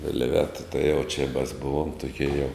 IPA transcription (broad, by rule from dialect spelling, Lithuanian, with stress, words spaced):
ʋʲɪlʲˈʋʲæːtɐ tɐɪ jɛʊ t͡ʃʲɪ mɐs ˈbʊʋoːm tʊˈkʲiɛ jɛʊ